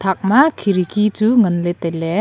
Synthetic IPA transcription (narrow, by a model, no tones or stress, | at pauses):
t̪ʰak̚makʰiɾikʰit͡suŋənlet̪ele